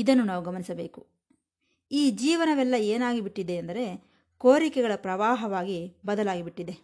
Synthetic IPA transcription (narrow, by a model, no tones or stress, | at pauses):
id̪ɐnːunaːʋuɡɐmɐnisɐbe̞̰ːku | iːd͡ʒiːʋɐnɐʋɛlːɐeːnaːɡibiʈːid̪eɐnd̪ɐɾe̞ | ko̞ːɾikɛɡɐɭɐpɾɐʋaːɦɐʋaːɡibɐd̪ɐlaːɡibiʈːid̪e̞